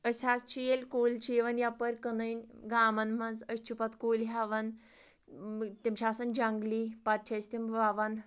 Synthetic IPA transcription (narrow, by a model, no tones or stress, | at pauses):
əsʲast͡ʃijelʲkoːlʲt͡ʃiʋɐnjapəɾkənəjnʲɡaːmɐnmɐnzəst͡ʃʰupat̪koːlɦaʋan | t̪emʃaːsɐnd͡ʒaŋɡlipat̚t͡ʃʰast̪emʋaʋan